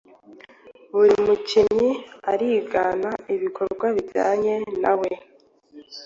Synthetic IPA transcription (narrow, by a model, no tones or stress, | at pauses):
βuɾimucimɲiaɾiːɡaːnaiβikʰo̞ɾɡwaβiɾɟa̰ːɲe̞nawe